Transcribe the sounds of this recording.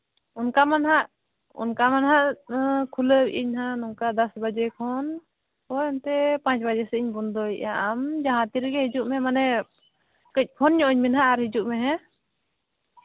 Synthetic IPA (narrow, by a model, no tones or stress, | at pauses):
unkamanɦaʔ | ṵnkamanɦaʔkʰuləbḭʔiɲɦãnɔŋkad̪asbad͡ʒɛkʰɔn | pɔjɔnt̪ɛpãt͡ʃbad͡ʒɛsɛiɲbɔnd̪ɔiʔaʔamd͡ʒaɦãt̪iɾɡɛhid͡ʒuʔmɛmanɛ | kəc̚ˀpʰɔnɲɔ̃ʔɲminɦaʔaɾhid͡ʒuʔmɛɦɛ̃